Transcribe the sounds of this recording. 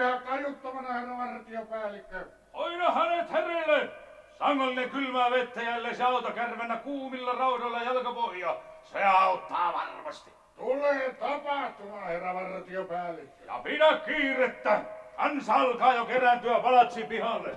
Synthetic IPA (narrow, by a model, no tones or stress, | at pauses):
hæt̪ɑjut̪ːɑmɑnɑheræʋɑrɑt̪iopæːlːikːæ | oinɑhænet̪herelːe | sɑŋːolːinekylmæːʋet̪ːæjæilːeseɑˑut̪okærmenːækuːmilːɑrɑutolːɑjælkøpohjɑseɑˑut̪ːɑːʋɑrmɑst̪i | t̪uleːt̪ɑpɑht̪umɑnɑheræʋɑrɑt̪iopæːlːikːøjɑ̰pinækkiːret̪ːækɑnsɑlkɑːjokerænt̪yæpɑlɑt̪sipihɑlːḛ